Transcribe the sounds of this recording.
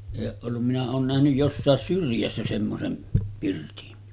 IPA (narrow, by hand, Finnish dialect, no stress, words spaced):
eˑi oːʔ ʔolːum minæ oːn næhnyj josːɑˑes syrjæsːæ semːosem pirtin